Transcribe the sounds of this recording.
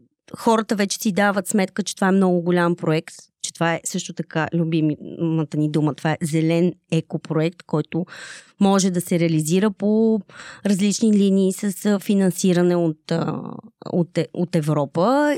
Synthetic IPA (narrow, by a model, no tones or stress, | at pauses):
xɔɾət̪əvɛt͡ʃɛ̥sid̪avət̪smɛt̪kət͡ʃɛt̪ovaɛmnɔɡʊɡolʲampɾoɛkt̪t͡ʃɛ̥t̪ovaɛsɤʃt̪ot̪ɐkalʲubimmət̪ənid̪umət̪ovaɛzɛlɛnɛkopɾoɛkt̪kɔjt̪ʊ | mɔʒɛd̪ɐsɛɾɛəliziɾəpo | ɾɐzlit͡ʃniliniːsəsfinɐnsiɾənɛot̪ | o̰t̪ɛot̪ɛvɾɔpə